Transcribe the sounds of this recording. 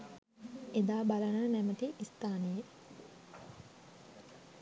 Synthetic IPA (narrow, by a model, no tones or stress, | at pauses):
ed̪aːbalənənæməʈiʔist̪aːnəje